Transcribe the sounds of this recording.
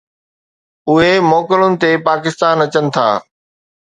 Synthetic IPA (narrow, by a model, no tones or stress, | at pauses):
ʊɦemɔːkɪlʊnɪ̆t̪epaːkɪst̪aːnɐt͡ɕənɪ̆t̪ʰa̰ː